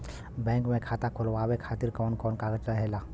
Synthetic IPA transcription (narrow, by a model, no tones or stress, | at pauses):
bɛ̃ːŋkmẽkʰaːt̪akʰolʋawekʰaːt̪iɾkɔːnkɔːnkaɡəd͡ʒkəɦela